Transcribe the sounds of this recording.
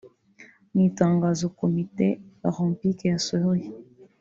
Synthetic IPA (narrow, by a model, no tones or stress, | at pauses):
mitaŋɡazokomitebaʁɔmpikejasɔloi